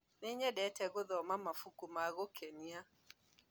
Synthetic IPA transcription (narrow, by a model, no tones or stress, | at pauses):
neɲɛdɛtɛɣoðɔmamafukumaɣokʰɛnia